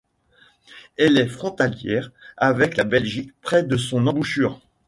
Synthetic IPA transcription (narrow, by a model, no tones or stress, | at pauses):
ɛlɛfχɔ̃t̪aljɛ̰ʁavɛklabɛlʒikpχɛd̪əsɔ̃nɑ̃buʃyːʁ